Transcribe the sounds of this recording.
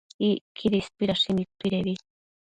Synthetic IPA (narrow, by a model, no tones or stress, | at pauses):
ikʰiɾispiɾaʃimipiɾeβi